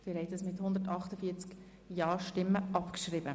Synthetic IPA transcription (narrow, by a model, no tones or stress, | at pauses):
fɪɾhɛɪt̪əsmɪthʊnd̪ətɑχtəfiət͡sk | jɑːʃtɪmːəʔɑpkʃɾɪbə